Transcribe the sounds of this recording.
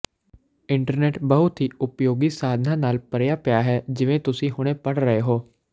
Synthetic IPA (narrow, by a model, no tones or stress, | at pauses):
ɪ̃ɳʈəɾneːʈbəɦʊt̪ɦiːʊpjoːɡiːsaːd̪ʱnãːnaːlpəɾjaːpjaːɦɛːd͡ʒɪʋẽːt̪ʊsĩːɦʊɽ̃ẽːpəɽɾəɦeɦoː